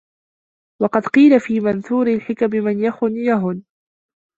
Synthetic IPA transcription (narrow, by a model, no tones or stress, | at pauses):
wɑqɑd̪qiːlafiːmanθuːɾɪlħɪkamɪmanjaxʊnjaɦʊn